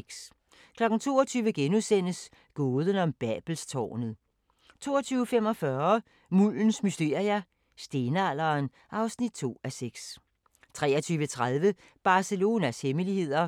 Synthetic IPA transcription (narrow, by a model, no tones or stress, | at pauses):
ɡ̥s | kʰlɒ̽ɡ̥n̩t͡sʰo̝̰ːɐt͡sʰyːʋəɡ̥enusen̰əs | ɡ̥ɔːð̞ˠənɒ̽mb̥æb̥l̩st͡sʰɒ̰ːnəð̩ˠ | t͡sʰo̝̰ːɐt͡sʰyːʊəfem̰ɒ̽fɶɐɐ | mul̰n̩smysd̥e̝̰ɐjæ | sd̥e̝nəæl̰ɐːn | ʔɑ̈ʊsnid̥̚t͡sʰo̝̰ːæseɡ̥s | t͡sʰʁɛːɐt͡sʰyːʋət͡sʰʁað̞ˠʋə | b̥ɑ̈səlo̝ːnæsheməlihe̝ð̞̰ˠɐ